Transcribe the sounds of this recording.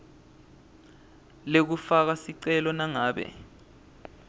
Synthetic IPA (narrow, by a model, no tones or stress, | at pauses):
lek̬ufak̬asiǀɛlɔnaŋaːɓɛ̰